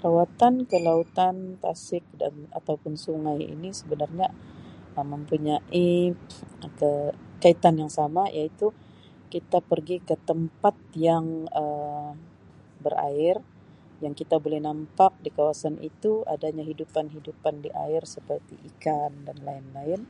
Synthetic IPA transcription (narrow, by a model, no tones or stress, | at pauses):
ɾawat̪ankəlaut̪ant̪a̰sɪk̚da̰na̰t̪awpʊnsuŋajḭnisəbənarɲaəmːəmpuɲaʔi | kəkait̪anjaŋsamajait̪u | kit̪apərɡikət̪əmpat̪̚jaŋə | bəra̰ɪr | jaŋkit̪abolɛhnampak̚dikawasanʔḭt̪ua̰daɲaɦidupanɦidupandiʔa̰ɪrsəpərt̪ḭʔikandanlaɪnlaɪn